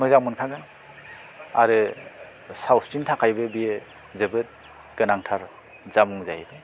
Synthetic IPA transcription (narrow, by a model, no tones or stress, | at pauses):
mɯzaŋmɯnkʰaɡɯn | aɾɯ | sawstintʰakʰajbɯbije | zebɯt̚ | ɡ̥ɯnaŋtʰaɾ | zamuŋza̰jbɯ